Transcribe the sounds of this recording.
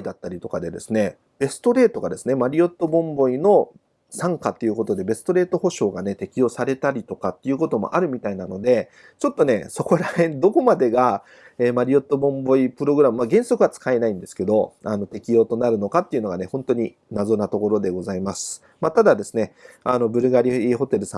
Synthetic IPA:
id̪at̪ːaɾʲit̪o̞kad̪e̞d̪e̞sɨne̞ | b̥e̞sɨ̥t̪o̞ɾe̞ːt̪o̞ɡad̪e̞sɨne̞maɾʲio̞t̪ːo̞bõ̞mbo̞ino̞ | sãŋkat̪ːe̞iɯ̟ko̞t̪o̞d̪e̞be̞sɨ̥t̪o̞ɾe̞ːt̪o̞ho̞ɕo̞ːɡane̞t̪e̞kʲijo̞ːsaɾe̞t̪aɾʲit̪o̞kat̪ːe̞iɯ̟ːko̞t̪o̞mo̞̰ʔaɾɯ̟mʲit̪ainano̞d̪e̞ | t͡ɕo̞t̪ːo̞ne̞so̞ko̞ɾaẽ̞nd̪o̞ko̞mad̪e̞ɡa | eːmaɾʲio̞t̪ːo̞bõ̞mbo̞ipɯ̟ɾo̞ɡɯɾamɯ̟maɡẽ̞ɰ̃so̞kɯ̟βat͡sɨ̥kae̞naĩnd̪e̞sɨ̥ke̞d̪o̞ano̞t̪e̞kʲijo̞ːt̪o̞naɾɯ̟no̞kat̪ːe̞iɯ̟no̞ɡane̞hõ̞nt̪o̞ɲ̟i | nazo̞nat̪o̞ko̞ɾo̞d̪e̞ɡo̞zaimasɨ̥ | mat̪ad̪ad̪e̞sɨne̞ano̞bɯ̟ɾɯ̟ɡaɾʲiiɦo̞t̪e̞ɾɯ̟sã̰

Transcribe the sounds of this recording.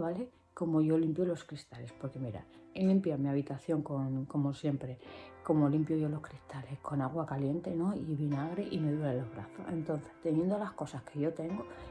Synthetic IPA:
βale̞ | ko̞mo̞ʝo̞limpjo̞lo̞skɾist̪ale̞spo̞ɾke̞miɾa̰ | elimpjamiaβ̞it̪aθjo̞ŋko̞ŋko̞mo̞sje̞mpɾe̞ko̞molimpjoʝo̞lo̞hkɾist̪ale̞hko̞naɣ̞wakalje̞nt̪e̞no̞iβinaɣ̞ɾeʔime̞ðuɾalo̞βɾa̰θoe̞nt̪o̞n̟θe̞̥st̪e̞nje̞nd̪o̞lahko̞sahke̞ʝo̞t̪e̞ŋɡo̞

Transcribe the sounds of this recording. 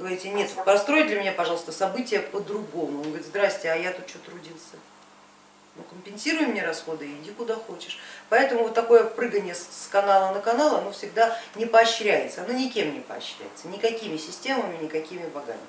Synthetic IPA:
ɡəvɐɾʲitʲɪnʲet̪vpɾɐst̪ɾojtʲd̪lʲɪmʲɪnʲapɐʐɑlˠst̪əsɐbɨtʲɪjəpəd̪ɾʊɡo̞mʊonɡəvɾʲɪt̪zd̪ɾasʲtʲɪɐjat̪ut̪̚t͡ɕot̪ːɾʊdʲilˠsʲə | nukəmʲpʲɪnsʲiɾʊjɪmnʲeɾɐsxo̞d̪ɨɪdʲikʊd̪axo̞t͡ɕɪ̥ʂpɐɛt̪əmʊvot̪ːɐko̞jəpɾɨɡənʲɪjəskɐnalˠənəkɐnalˠəɐno̞fsʲɪɡd̪anʲɪpəɐɕɾʲæjɪ̰t̪səɐno̞nʲɪkʲe̞mnʲɪpə̰ɐ̰ɕːɾʲæ̰jɪt̪sənʲɪkɐkʲimʲɪsʲɪsʲtʲe̞məmʲɪnʲɪkɐkʲimʲɪbɐɡa̰mʲɪ

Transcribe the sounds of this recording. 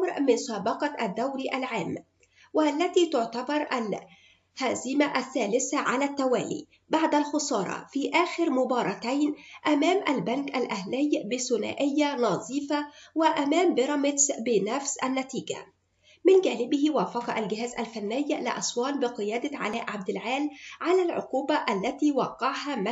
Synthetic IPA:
mɾmɪnsɑːbɑqɑʔad̪ːawɾiʔalʕaːmː | wɪlːæt̪iːt̪ʊʕt̪ɑbɑɾˤʔal | hazɪmaʔaθːæːlɪsaʕalæːt̪ːawæ̰ːlḭː | baʕd̪alxʊsˤɑːɾˤɑ̰fiːʔæːxɪɾmʊbɑːɾˤɑt̪ajnʔæmæːmʔalbænkʔalʔahlɪjbɪsʊna̰ːʔɪjːanɑzˤiːfɑwɪʔæmæːmbɪɾˤɑmɪt̪sbɪnæfsʔænːæt̪iːɡa̰ | mɪnɡæːnɪbɪhɪwæːfɑqɑʔalɡɪɦæːzʔa̰lfanːɪjlɪ̰ʔɑ̰sˤwɑːlbɪqɨjæːd̪aʕa̰læːʔʕab̚d̪ɪlʕaːlʕalælʕʊ̰quːbaʔælːæt̪iːwɑqːɑʕhæm

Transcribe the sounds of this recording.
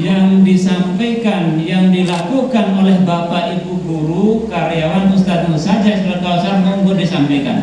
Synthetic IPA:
jaŋdisampajkanjaŋdilakukanolɛhbapaʔibuɡuɾukaɾeawanust̪at̪̚musad͡ʒaist̪lat̪ausanmuŋɡʊdisampajka̰n

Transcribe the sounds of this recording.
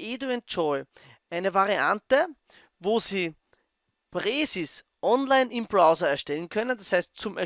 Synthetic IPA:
ʔeːduɛnt͡ʃɔɪ | ʔaɪnəvaʁia̰ntə | voːziː | pʁeːsis | ʔɔnlaɪnɪmbʁaʊzɐɛɐʃtɛlənkʰœnəndashæɪst̚t͡sʊmɛ

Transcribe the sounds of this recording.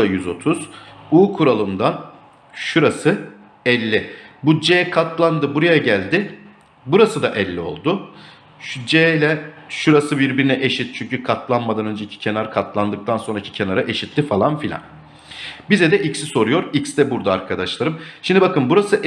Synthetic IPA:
ajyzo̞t̪ʰuz̥uːkʰuɾalˠɯmd̪an | ʃuɾasɯ | ɛlʲːɪbud͡ʒeːɛkʰat̪lˠand̪ɯbuɾajaɟælʲd̪ɪ | buɾasɯd̪aʔɛlʲːio̞̰lˠd̪ʊ | ʃd͡ʒelʲɛʃuɾasɯbiɾbiɾinɛʔeʃit̪̚t͡ʃʰyɲcykʰat̪lˠanmad̪anø̞nd͡ʒecʰi̥cʰe̞naɾkʰat̪ʰlˠand̪ɯk̚t̪ʰanso̞nɾacʰi̥cʰe̞naɾaʔe̞ʃit̪lʲifalˠanfilʲa̰n | bizɛd̪ɛʔicsiso̞ɾujo̞ɾicsd̪ɛbuɾd̪aaɾkʰad̪aʃlˠaɾɯmʃimd̪ibakɯnbuɾasɯʔ

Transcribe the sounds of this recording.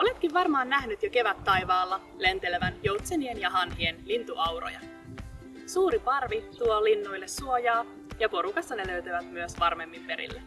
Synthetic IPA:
o̞le̞t̪̚kiʋʋɑrmɑːnːæɦnyt̪jok̟e̞ʋæt̪ːɑjʋɑːlːɑ | le̞nt̪e̞leʋænjo̞wt̪senienjɑɦɑnɦienlint̪uʔɑwro̞̰jɑ̰ | suːɾipɑrʋit̪uolinːujlːe̞suojɑː | jɑpo̞ɾukɑsːɑne̞løɥt̪æʋæt̪myøsʋɑrme̞mːimpe̞ɾḭlːe

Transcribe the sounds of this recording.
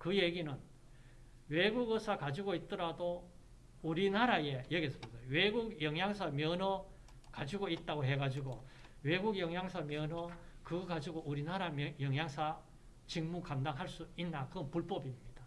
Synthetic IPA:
kɯjeɡinɯn | weɡuɡʌsʰakad͡ʑiɡoit̚t͈ʌɾado | uɾinaɾajejʌɡesʰʌbosʰʌjoweɡuɡjʌŋjaŋsʰamjʌnʌ | kad͡ʑiɡoit̚t͈aɡoɦeɡad͡ʑiɡo | we̞ɡuɡjʌŋjaŋsʰamjʌnʌkɯɡad͡ʑiɡoʔuɾinaɾamjʌŋjaŋsʰa | t͡ɕiŋmukamdaŋɦaɭs͈uinːakɯʌnpuɭp͈ʌbimɲid̥a

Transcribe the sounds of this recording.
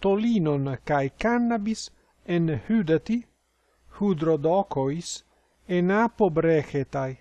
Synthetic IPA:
t̪olinonkajkanːabis | enhyd̪at̪i | hud̪ɾod̪ɔkois | enapobɾɛxet̪aj

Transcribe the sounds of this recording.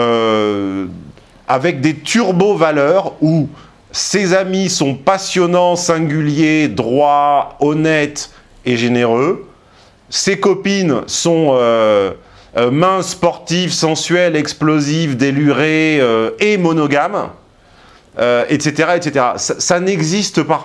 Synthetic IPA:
ø | avɛk̚d̪et̪ʰyʁbovalœʁu | sezamisɔ̃pasjɔnɑ̃sɛ̃ɡʲyljed̪ʁwaɔnɛt̪ | eʒeneʁø | sekɔpinsɔ̃ø | mɛ̃spɔʁt̪ivsɑ̃sɥɛlɛksplozivd̪elyʁeøemɔnɔɡam | øɛt̪set̪eʁaet̪set̪eʁa̰sasanɛɡzist̪əpa

